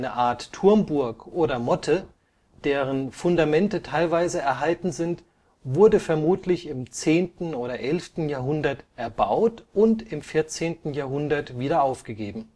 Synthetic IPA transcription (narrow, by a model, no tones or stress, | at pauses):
nəʔaːɐtʰːʊɐmbʊɐkʔoːɾɐmɔtʰə | d̥eːʁ̞ənfʊndamɛntətʰaɪlvaɪzəɛɐɦaltn̩zɪnt | vʊɐdəfɛɐmuːtʰlɪçɪmt͡seːntn̩oːɾɐʔɛlftn̩jaːɐɦʊndɐtʔɛɐba̰ʊtʔʊntɪmfɪɐt͡seːntn̩jaːɐɦʊndɐtviːɾɐaʊfɡ̥əɡeːbm̩